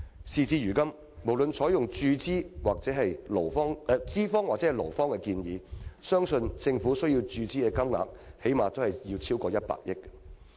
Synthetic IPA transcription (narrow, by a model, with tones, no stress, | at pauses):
siː˨˩t͡siː˧jyː˨˩kɐ˥m | mo˨˩wlɵ˨nt͡sʰɔː˨˥jʊ˨ŋt͡ʃyː˧t͡siː˥waː˨k̚t͡sɛ˨˥ɦɐ˨jlo˨˩wfɔː˥ŋ˧t͡siː˥fɔː˥ŋwaː˨k̚t͡sɛ˨˥ɐ˨˩lo̰˨˩wfɔː˥ŋkɛ˧kiː˧njiː˨˧sœː˥ŋsɵ˧nt͡sɪ˧ŋfuː˨˥sɵ˥ɥjiː˧wt͡ʃyː˧t͡siː˥kɛ˧kɐ˥mŋa̰ː˨˩k̚he˨˥jmaː˨t̪o˥hɐ˨jjiː˧wt͡sʰiː˥wkɔː˧jɐ˥t̚pa̰ː˧˨k̚jɪ˥k̚